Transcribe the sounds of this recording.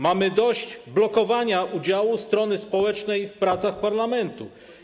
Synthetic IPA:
mamɘd̪ɔɕd͡ʑblɔkɔvaɲaʔud͡ʑawust̪ɾɔnɘspɔwɛt͡ʂnɛjfpɾat̪saxpaɾlamɛnt̪u

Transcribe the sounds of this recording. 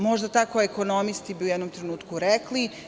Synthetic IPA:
mo̞ʒd̪at̪akoeko̞nomist̪ibiujɛd̪nomt̪ɾe̞nuːt̪kuɾekli

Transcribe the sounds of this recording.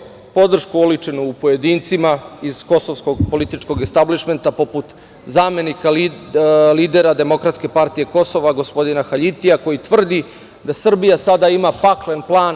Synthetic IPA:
po̞d̪r̩ʃkuulit͡ʂenuːpo̞je̞d̪iːnt̪simaiz̥ko̞so̞ʋsko̞ɡpo̞lit̪it͡ʃko̞ɡest̪abliʃme̞nt̪apo̞put̪ | zaːme̞nikal | liːd̪eɾad̪e̞mo̞kɾat̪ske̞paɾt̪ije̞ko̞so̞ʋaɡo̞spo̞d̪inaxaʎit̪ijako̞jit̪ʋr̩d̪i | d̪asr̩bijasad̪aimapaklenplˠaːn

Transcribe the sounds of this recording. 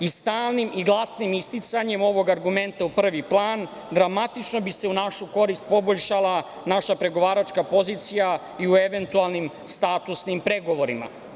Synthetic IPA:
ist̪aːlˠnimiɡlˠasnimist̪it̪saɲe̞mo̞ʋo̞ɡaɾɡume̞nt̪aupr̩ʋiplˠaːn | d̪ɾamat̪it͡ʃno̞bise̞unaʃuko̞ɾist̪po̞boʎʃalˠa | naʃapɾe̞ɡo̞ʋaːɾat͡ʃkapo̞ziːt̪sija | iueʋe̞nt̪ualˠnim | st̪aːt̪usnimpɾe̞ɡo̞ʋo̞ɾima̰

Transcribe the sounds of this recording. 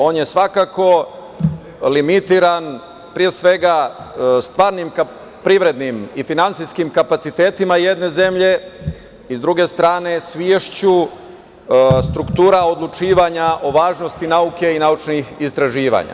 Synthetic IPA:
o̞ːnje̞sʋakako̞ | limit̪iɾan | pɾije̞sʋe̞ɡast̪ʋaːɾnimka | pɾiʋɾe̞d̪nimifinant̪sijskimkapat̪sit̪e̞ːt̪imaje̞d̪ne̞ze̞mʎe̞ | izd̪ɾuɡe̞st̪ɾaːne̞sʋieʃt͡ɕu | st̪ɾukt̪uːɾaod̪lˠut͡ʃiːʋaɲaʔo̞ʋaːʒno̞st̪inauke̞inaut͡ʃnixist̪ɾaʒiːʋa̰ɲa̰

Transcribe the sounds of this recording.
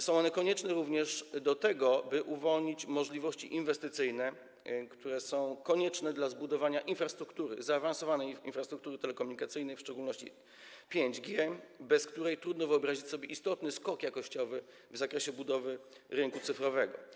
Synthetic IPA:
sɔ̃w̃ɔnɛkɔɲɛt͡ʂnɛɾuvɲɛʂd̪ɔt̪ɛɡɔbɘʔuvɔlɲit͡ɕmɔʐlʲivɔɕt͡ɕḭʔinvɛst̪ɘt̪sɘjnɛ | kt̪uɾɛsɔ̃w̃kɔɲɛt͡ʂnɛd̪lazbud̪ɔvaɲaʔinfɾast̪ɾukt̪uɾɘ̰zaːvansɔvanɛjinfɾast̪ɾukt̪uɾɘt̪ɛlɛkɔmuɲikat̪sɘjnɛjfʂt͡ʂɛɡulnɔɕt͡ɕḭ | pʲjeɲd͡ʑɡʲjɛbɛskt̪uɾɛjt̪ɾud̪nɔvɘɔbɾaʑit͡ɕʲsɔbʲjeʔist̪ɔt̪nɘskɔkjakɔɕt͡ɕɔvɘ | vzakɾɛɕɛbud̪ɔvɘ | ɾɘŋkut̪sɘfɾɔvɛɡɔ̰

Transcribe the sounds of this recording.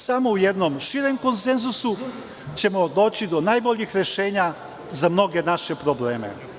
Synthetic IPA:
samowjɛd̪nɔmʃiːɾɛmkonsenzusu | t͡ʃɛmɔd̪oːt͡ʃid̪ɔnajboʎʲjixɾɛʃeːɲja | zamnoɡɛnaʃɛpɾobleːmɛ̰

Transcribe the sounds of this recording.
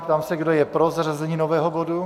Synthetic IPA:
pt̪aːmsɛɡdojɛpɾozrazɛɲiːnovɛːɦobodu

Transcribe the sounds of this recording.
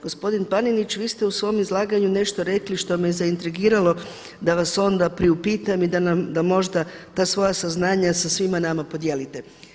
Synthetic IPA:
ɡ̥o̞spo̞d̪inpaninit͡ɕʋiːst̪e̞usʋo̞jmizlˠaːɡaɲune̞ʃt̪o̞ɾe̞kliʃt̪o̞mejezaint̪ɾiɡiːɾalo̞ | d̪aʋaso̞nd̪apɾiupiːt̪amid̪anamd̪amo̞ʒd̪at̪aːsʋo̞jasaznaːɲasasʋimanamapo̞d̪je̞ːlit̪e̞

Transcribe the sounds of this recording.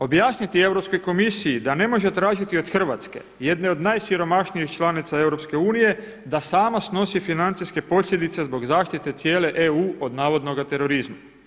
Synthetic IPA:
o̞bjaːsnit̪ie̞ʋɾo̞pskojko̞misijid̪ane̞mo̞ʒet̪ɾaːʒit̪io̞d̪xr̩ʋat̪ske̞̰ | je̞d̪ne̞o̞d̪naːjsiɾo̞maʃnijixt͡ʃlˠanit̪sae̞wɾopske̞uːnije̞ | d̪asaːmasno̞sifinant̪sijske̞po̞sʎje̞d̪it̪se̞zbo̞ɡzaːʃt̪it̪e̞t̪sjeːle̞ʔeuːo̞d̪naːʋo̞d̪no̞ɡat̪e̞ɾo̞ɾizma

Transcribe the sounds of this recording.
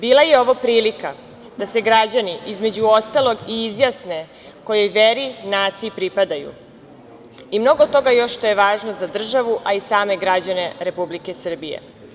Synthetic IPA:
biːlˠajeo̞ʋopɾiːlika | d̪̥ase̞ɡɾad͡ʑaniʔizme̞d͡ʑuo̞st̪alo̞ɡiizjasne̞ | ko̞jo̞jʋeɾinaːt̪siipɾipad̪ajṵ | imno̞ɡot̪ːo̞ɡajo̞ʃʃt̪o̞jeʋaːʒnozad̪r̩ʒaʋuʔaisaːme̞ɡɾad͡ʑane̞ɾe̞publikesr̩bijḛ

